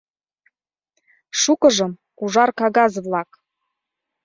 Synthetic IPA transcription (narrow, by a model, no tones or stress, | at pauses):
ʃukɤ̆ʒɤ̆m | uʒɑrkɑɣɑzvlɑk